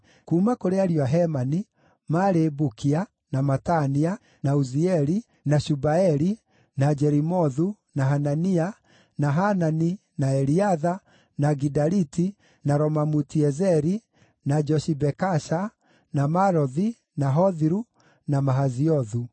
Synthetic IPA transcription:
kuːmakoɾeaɾiwaɦɛmani | maɾebukia | namatania | nauziɛɾi | naʃubaɛɾi | nad͡ʒɛɾimɔðu | naɦanania | naɦanani | naɛɾiaða | naɡidaɾiti | naɾɔmamutiɛzɛɾi | nad͡ʒɔʃibɛkaʃa | namaɾɔði | naɦɔðiɾu | namaɦaziɔðu

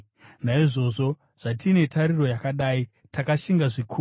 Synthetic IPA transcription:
naiʐo̞ʐo̞ | ʐ̥atine̞taɾiro̞jakaɗaːi | takaʃiŋɡaʐikʰu

